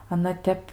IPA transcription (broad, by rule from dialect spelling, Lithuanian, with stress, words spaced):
ɐˈnɐ ˈtʲɛp